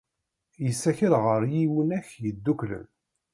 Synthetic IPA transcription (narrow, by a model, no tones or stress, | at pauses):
jəsːæçəlʁəɾjiwənæçjəd̪ːuklə̰n